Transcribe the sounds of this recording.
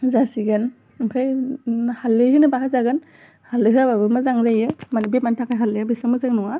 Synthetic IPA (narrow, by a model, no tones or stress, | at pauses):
zasiɡɯn | pʰɾajhalːɯhɯnɯbaɦazaɡɯn | halɯɦɯababɯmɯzaŋɾajɯmanibemantʰakʰajɦalːɯjabisaŋmɯzaŋnɔŋa